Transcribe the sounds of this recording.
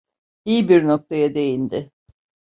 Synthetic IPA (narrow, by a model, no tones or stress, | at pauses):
ijbiɾno̞k̚t̪ʰajad̪e̞jind̪ɪ